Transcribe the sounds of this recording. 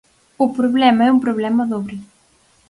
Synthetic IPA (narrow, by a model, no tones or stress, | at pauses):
ʊpɾoβlɛmɐɛumpɾoβlɛmɐðoβɾi